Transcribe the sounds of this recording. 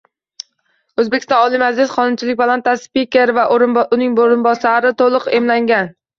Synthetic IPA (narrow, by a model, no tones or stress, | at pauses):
ɵzbekʲɪ̥st̪ɒ̃nɒlˠɪmad͡ʒlɪsχʰɒnʊmt͡ʃʰɪlɪk̚ʲbalˠant̪aspikʲeɾvaʔɾʊnɪŋboɾɪnbɒsaɾɪt̪ʰolˠʊqemlaŋɡʲan